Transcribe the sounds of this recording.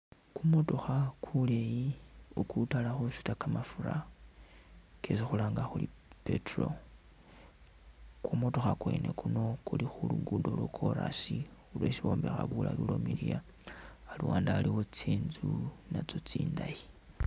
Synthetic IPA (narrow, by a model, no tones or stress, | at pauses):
kumo̞to̞xakʰule̞jiukutalaxuʃu̥takamafuɾa | kesixulaːŋɡaxulipetro̞̰ | kʰumo̞to̞xakwe̞ːne̞kuno̞kulixuluɡudolokʰo̞ɾa̰siulweʃiwo̞ːmbexaβula̰lulo̞milijaː | luwaːndaːliwot͡siːnzunat͡so̞t͡siːndaji